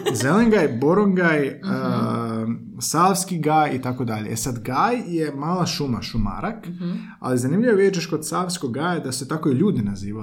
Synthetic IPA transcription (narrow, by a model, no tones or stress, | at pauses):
zeleŋɡaːjbo̞ɾoŋɡaj | saʋskiɡaːjit̪ako̞d̪aʎeʔesad̪ɡaːjje̞maːlˠaʃumaʃuma̰ɾak | a̰lizanimʎiʋoʋid̪et͡ʃeʃkod̪saʋskoɡɡaːjad̪asɛt̪akoiʎuːd̪inaziːʋa